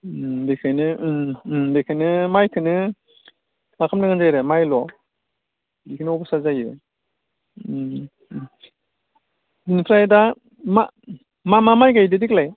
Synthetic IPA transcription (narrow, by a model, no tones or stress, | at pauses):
bekʰajnɯ | bekʰajnɯmajkʰɯnɯ | makʰamnaŋanzajɾɯmajlɔ | bikʰɯnɯɔbɔsazajɯ | dinipʰɾajda | ma̰ | mamamajɡajdɯdiklaj